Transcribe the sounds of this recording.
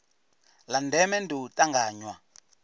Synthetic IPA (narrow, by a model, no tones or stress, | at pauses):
landɛmɛndutʼaŋɡaːɲwa